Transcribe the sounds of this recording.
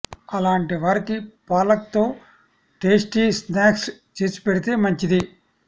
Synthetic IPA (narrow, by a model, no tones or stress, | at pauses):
ɐlaːɳʈiʋaːɾikipaːlɐk̚t̪o̞ː | ʈe̞ːsʈiːsnaːkst͡ʃeːsu̥peɽit̪e̞ːmɐɲt͡ʃid̪i